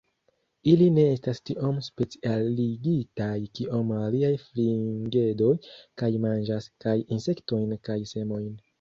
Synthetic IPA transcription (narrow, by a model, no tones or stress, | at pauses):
iline̞e̞stastiʔo̞mspe̞t͡sialiɡitajkiʔo̞maliajfliŋɡe̞do̞jkajmand͡ʒaskajinse̞kto̞jnkajse̞mo̞jn